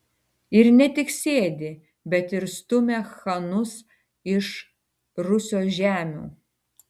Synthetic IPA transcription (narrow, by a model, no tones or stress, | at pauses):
ɪɾnʲɛt̪ʲɪksʲeːd̪ʲɪ | bʲɛt̪ɪɾst̪ʊmʲexɐnʊs | ɪʃ | ɾʊsʲoːsʒʲæːmʲṵː